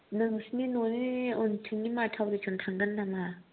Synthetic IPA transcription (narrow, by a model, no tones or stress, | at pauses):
nəŋsninoniontʰɯŋɲimatʰawɾet͡ʃʰont̪ʰaŋɡənːama